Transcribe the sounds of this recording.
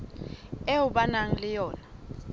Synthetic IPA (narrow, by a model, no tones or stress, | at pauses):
ɛʊɓanaŋ̩lɪjɔːna